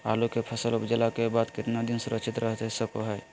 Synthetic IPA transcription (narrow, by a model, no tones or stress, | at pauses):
a̰ːlokepʰəsəlʊpd͡ʒəlakebaːd̪kɪt̪nad̪ɪnsʊɾəkʃɪt̪ɾʔəɦt̪ɦsəkoɦɛː